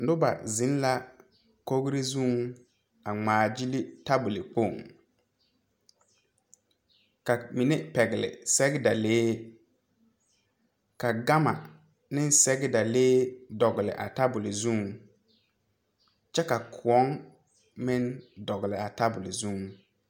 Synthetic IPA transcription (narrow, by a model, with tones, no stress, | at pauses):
n̩˨dʊ˦ba̰˨zɪ˨˦n˦la˦ | ko˦ɡɾi˦zu˦ŋ | a˨ŋ͡maː˨d͡ʒi˦li˦ta˦bʊ˨lɪ˨k͡po˦˨ŋ | ka˨mi˨ne˦pɛ˨ɡɪ˨lɪ̰˨sɛ˦ɡɪ˦da˨leː˦ | ka˨ɡa˦ma̰˨ | nɪ˦n˦sɛ˦ɡɪ˦da˨leː˦dɔ˨ɡɪ˨lɪ̰˨ʔa̰˨ta˦bʊ˨lɪ˨zu˦ŋ | t͡ʃɛ˦ka˨kʰʊ˨ɔ˦ŋ | mɪ˦ndɔ˨ɣɪ˨lɪ˨a˨ta˦bʊ˨lɪ˨zu˦ŋ